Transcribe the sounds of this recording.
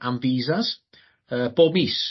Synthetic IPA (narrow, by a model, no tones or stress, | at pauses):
ʔaɱviːzas | əbɔbis